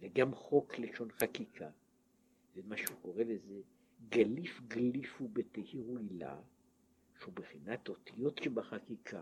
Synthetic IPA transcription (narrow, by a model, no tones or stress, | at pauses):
veɡamχo̞kleʃo̞nχakikʰa | vemaʃeuko̞ʁeleze | ɡalifɡlifubet̪ehiʁuila̰ | ʃeubeχinat̪o̞t̪ijo̞t̪ʃebaχakikʰa